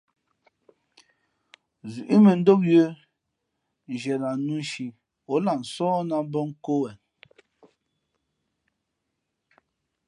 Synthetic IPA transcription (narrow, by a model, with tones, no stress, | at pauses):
zu˨ʔi˦mɛ˨n̩˦do˦p̚jo˦ | n˨d͡ʒɛ˨la˨nu˦ʃi˨ | o˨˦la˨n̩˨sɔː˦na˦bɔ˦ŋ˦ko˦wɛ˨n